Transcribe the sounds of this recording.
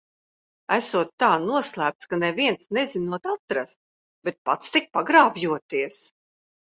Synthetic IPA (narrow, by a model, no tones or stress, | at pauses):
æsuɔt̪ːaːnuɔslˠæːp̚t̪skanɛviɛnsnɛzinuɔt̪at̪ɾast̪̚ | bet̪̚pa̰t̪st̪ik̚paɡɾaːbjuɔt̪iɛs